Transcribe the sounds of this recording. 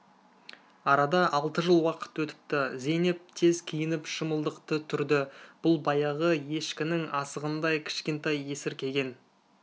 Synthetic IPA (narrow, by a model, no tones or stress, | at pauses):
ɑɾɑd̪ɑʔɑlˠt̪əʒəlˠwɑqə̥t̪wɵt̪ɪ̥p̚t̪ɪze̞nɪp̚t̪ʰe̞zkʲʰijɪnɪpʃəməlˠd̪əqt̪ət̪ʰʏɾd̪ɪb̥ʊlˠbɑjɑʁəje̞ʃkʲɪnɪŋɑsəʁənd̪ɑjkʲʰɪ̥ʃkʲe̞nt̪ɑjesɪɾkʲʰe̞ɡʲe̞n